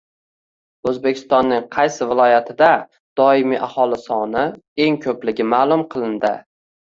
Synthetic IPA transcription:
ɵzbe̞kʲʰɪ̥st̪ɒnːɪŋqʰɑjsɪvɪlˠɒjat̪ʰɪd̪a | d̪̥ɒɪmiʔahɒlˠɪsɒnɪ | e̞ŋkʰɵplɪɡʲɪmaːlˠʊmqʰɨlˠɪnd̪ɪ̰

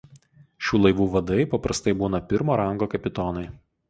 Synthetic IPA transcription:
ʃʲuːlˠɐɪʋuːʋɐd̪ɐɪpɐpɾɐst̪ɐɪbuːnɐpʲɪɾmoːɾɐŋɡoːkɐpʲɪt̪ɔnɐɪ

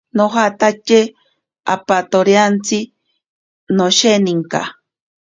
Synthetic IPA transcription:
noɦat̪at͡ʃe | a̰pat̪oɾjant͡si | noʃeniŋka̰

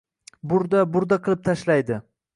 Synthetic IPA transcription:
bʊɾd̪abʊɾd̪aqʰɨlˠɪp̚t̪ʰaʃlajd̪ɪ

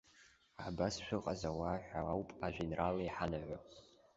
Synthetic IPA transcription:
abasʃʷᶣɨqʼazawaːħʷᶣaawpʼaʒʷᶣinrʔalaiħanaʕʷa

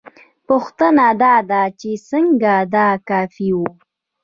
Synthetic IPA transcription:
pʊxt̪ənad̪ad̪at͡ʃesəŋɡad̪akafiwu

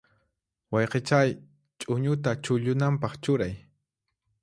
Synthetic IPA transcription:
wɑjqet͡ʃaj | t͡ʃʼʊɲʊt̪at͡ʃʊʎʊnampɑχt͡ʃʊɾaj

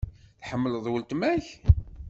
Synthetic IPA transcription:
θħəmːələðˤwəlt̪mæç

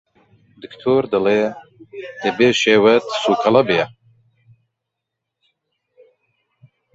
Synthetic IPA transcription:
d̪ɨkt̪ʰoːɾd̪ɨleː | d̪ebeːʃeːwɐt̪suːkʰɐlɐbijɐ

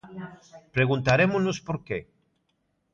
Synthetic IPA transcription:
pɾeɣ̞ũnt̪aɾemoznospoɾke

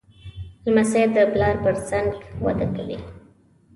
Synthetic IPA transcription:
lmased̪əplɑɾpəɾsaŋɡwa̰d̪akawḭ

